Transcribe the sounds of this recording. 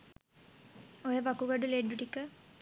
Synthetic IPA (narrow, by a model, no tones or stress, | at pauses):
ojəʋakuɡɐɖuleːɖuʈikə